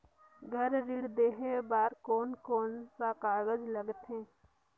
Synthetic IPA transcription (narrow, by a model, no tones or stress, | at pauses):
ɡʱəɾːiɽd̪eːɦebaːɾkoːnkoːnsaqaːɡəd͡ʒləɡt̪ɦẽː